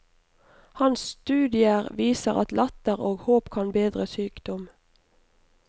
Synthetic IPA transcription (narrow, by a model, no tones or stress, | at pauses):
hɑnsst̪ʉːd̪ɪəʁʋiːsəʁɑ̰t̪lɑt̪əʁoːɡhoːpkʰɑnbeːd̪ʁəsyːkd̪ɔm